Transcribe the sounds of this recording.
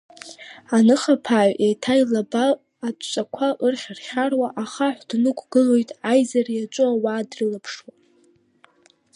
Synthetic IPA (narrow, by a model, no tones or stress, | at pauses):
anɨχapʰaːʕʷʔejtʰajlabaː | t͡ʃʷʼakʷʰaʔɨrχʲarχʲarwaʔaχaħʷdnɨkʷʰʼɡɨlo̞jtʼajzarjat͡ʃʷʼuawaːdrɨlapʰʂwa